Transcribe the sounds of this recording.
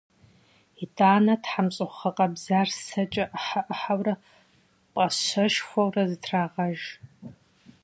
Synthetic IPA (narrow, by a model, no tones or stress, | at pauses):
itʰʼaːnɐtħamɕʼɨχχɐqʼɐbzarsɐt͡ʃʼɐʔħaʔħawrɐ | pʼɐɕɐʃxʷɐwrɐzɨtʰraːʁɐʒ